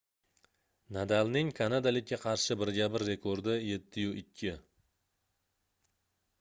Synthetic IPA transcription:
nad̪alnɪŋkʰanad̪alɪkʲːaqʰɑɾʃɪbɪɾɡʲabɪɾːe̞kʰoɾd̪ɪje̞t̪ʰːɪjʊʔɪkʲʰːɪ

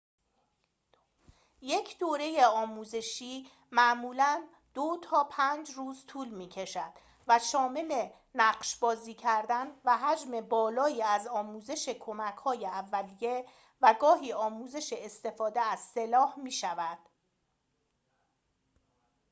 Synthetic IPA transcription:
je̞cʰd̪oːɾe̞je̞ɒːmuːze̞ʃiː | mæʔmuːlæn | d̪̥ot̪ʰɒːpʰænd͡ʒruːzt̪ʰuːlmiːcʰe̞ʃæd̪̥ | væʃɒːme̞le̞ | næɢʃbɒːziːcʰæɾd̪ænvæɦæd͡ʒme̞bɒːlɒːiːæzɒːmuːze̞ʃekʰo̞mæcʰhɒːjeævːælije | væɡɒːɦiːɒːmuːze̞ʃeest̪e̞fɒːd̪eæz̥se̞lɒːhmiːʃævæd̪̥

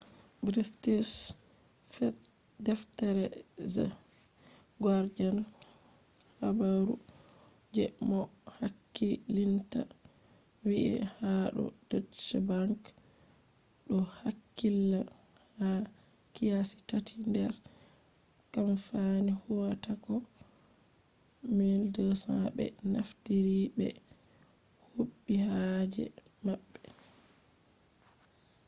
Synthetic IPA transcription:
bɾistis | fɛdɛftaɾɛza̰ | ɡaɾd͡ʒana | habaɾu | d͡ʒɛmɔ | hakːilinta̰ | wiʔḭhaɗɔ̰d̥att͡ʃɛbaŋk | ɗɔhakːilːa | hakijasi̥tatʰindɛɾ | kamfanihuwatakɔ | mɛldɔsaɓɛ̰naftiɾiɓɛ̰ | huɓːihad͡ʒɛ̰maɓːɛ

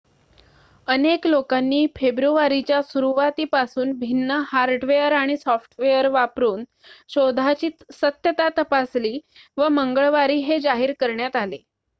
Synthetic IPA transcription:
əneklokanːiːfebɾuʋaɾit͡ɕjasuɾuʋat̪iːpasuːnbʱinːəhaɾɖʋejəɾaɽ̃isɔfʈʋejəɾʋapɾuːn | ɕod̪ʱat͡ɕiːt̪sət̪jət̪at̪əpasliːʋəməŋɡəɭʋaɾiːɦed͡zaɦiːɾkəɾɳjat̪ale

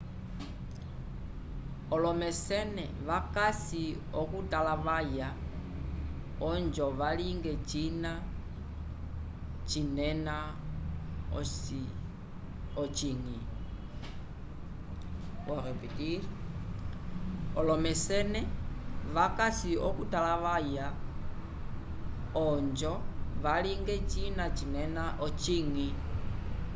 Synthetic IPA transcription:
ɔlɔmɛsɛnɛ̰ʋakasi | ɔkutalaʋaja | ɔɲd͡ʒɔʋaliŋɡɛt͡ʃina | t͡ʃinɛna | ɔt͡ʃiŋi | waɾɛpitiɾi | ɔlɔmɛsɛnɛʋakasiɔkutalaʋaja | ɔɲd͡ʒɔʋaliŋɡɛt͡ʃinat͡ʃinɛnaʔɔt͡ʃiŋi

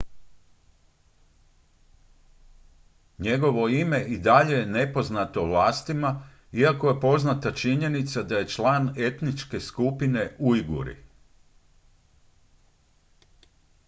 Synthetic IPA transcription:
ɲe̞ɡo̞ʋo̞ime̞ʔid̪aʎe̞jene̞po̞znat̪o̞ʋlˠaːst̪ima | iakoje̞po̞znat̪at͡ʃiɲe̞nit̪sad̪aje̞t͡ʃlˠaːne̞t̪nit͡ʃke̞skupine̞uiɡṵɾḭ

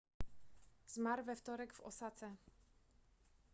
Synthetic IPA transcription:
zmaɾvɛft̪ɔɾɛɡvɔ̰sat̪sɛ

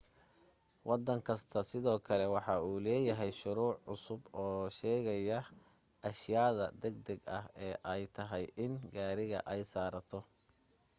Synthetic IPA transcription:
wʔɑd̪ɐŋkʰɐst̪ʰɐsɪðɔːkʰɐlɛwɑħɑuːlɛːjɐɦɛjʃʊɾuːʕːʊsʊbɔːʃɛːɣɐjɐ | ʔɐʃjaːðɐd̪ɛɡ̚d̪ɛɡɐɦɛːʔɛjt̪ʰɐɦɛjʔɪnɡaːɾɪɣɐ̰ʔɛjsaːɾɐt̪ʰɔ

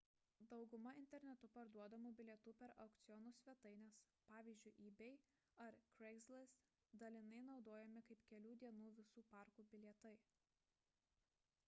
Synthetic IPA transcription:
d̪ɒʊɡʊmɐɪnʲt̪ʲɛɾʲnʲɛt̪ʊpɐɾd̪uɔd̪ɐmuːbʲɪlʲɛt̪uːpʲɛɾɐʊkt̪sʲɪjɔnuːsʲʋʲɛt̪ɐɪnʲɛs | pɑːʋʲiːzʲd͡ʒʲʊɪʔiːbʲɛɪ | ɐɾkɾɛɡzʲlʲɪs | d̪ɐlʲɪnɐɪnɒʊd̪oːjɛmʲɪkɐɪpkʲɛlʲuːd̪ʲiɛnuːʋʲɪsuːpɑːˑɾkuːbʲɪlʲiɛt̪ɐɪ

